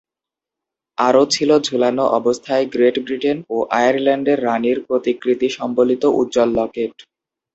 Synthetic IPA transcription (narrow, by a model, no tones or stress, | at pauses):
aɾot͡ɕʰilod͡ʑʱulanoʔɔbost̪ʰaeɡɾeʈbɾiʈenoʔajaɾlaɳɖeɾːaniɾpɾot̪ikɾit̪iʃɔmbolit̪oʔṵt̪ːd͡ʑɔlːɔkeʈ